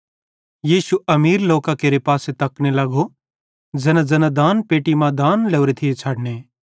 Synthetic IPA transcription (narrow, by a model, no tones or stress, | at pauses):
jiːʃuʔɐmiːɾloːkakeːɾepaːset̪ɐknelɐɡo | d͡zɐnad͡zɐnad̪aːnpeːʈimãd̪aːnleʋɾet̪ʰijet͡ʃʰɐɽneː